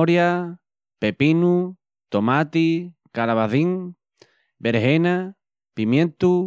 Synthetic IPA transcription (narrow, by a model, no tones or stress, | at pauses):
oɾja | pepinu | t̪omat̪i | kalaβaðiŋ | beɾɦena | pimjẽnt̪u